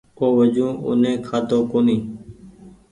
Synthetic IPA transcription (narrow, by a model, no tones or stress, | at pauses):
koːʋəd͡ʒũːʊ̰nẽːkʰaːt̪oːkoːnĩː